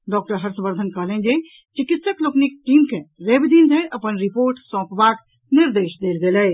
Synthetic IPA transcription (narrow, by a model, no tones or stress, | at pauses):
ɖɔːk̚ʈəɾɦəɾsə̃mbəɾd̪ʱənkəɦlẽnd͡ʒe | t͡ʃɪkɪt̪səkloknik̚ʈiːmkʰẽɾebd̪ind̪ʱəjʔəpənɾipoːɾʈsɔ̃ːpʋaːk | nɪɾd̪eːʃd̪eːlɡeːləe